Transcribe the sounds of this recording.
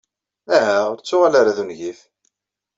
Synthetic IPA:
æɦæʊɾt͡sːʊʁalaɾaðunʝiθ

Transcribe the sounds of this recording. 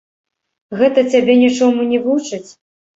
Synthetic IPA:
ɣɛt̪ɐt͡sʲabʲɛnʲit͡ʂɔmunʲɛvut͡ʂɨt͡sʲ

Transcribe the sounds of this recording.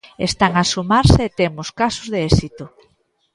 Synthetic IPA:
est̪aŋasumaɾseet̪emʊskasʊzðeɛsit̪o

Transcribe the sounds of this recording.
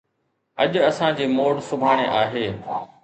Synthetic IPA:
ɐʄɐsãd͡ʑeːmoːɽsʊbʱaːɽ̃eʔaːɦeː

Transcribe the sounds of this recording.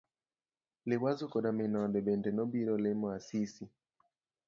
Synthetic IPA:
lɪwazukɔɗamenɔdɛbɛndɛnɔbiɾɔlemɔasisi

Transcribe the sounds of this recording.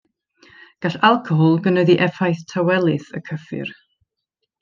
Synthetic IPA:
ɡ̥aɬalˠkʰɔɦɔlˠɡənəðiʔɛfajθtʰawɛlˠɨθə̰kʰəfɨ̰r

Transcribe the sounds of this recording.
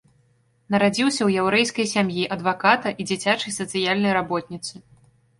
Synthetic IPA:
nɐɾad͡zʲiwsʲɐwjɛwɾɛjskɐjsʲamjiʔɐd̪vakat̪ɐʔid͡zʲit͡sʲat͡ʂɐjsɐt̪sɨjalʲnɐjɾabɔt̪̚ʲnʲit̪sɨ

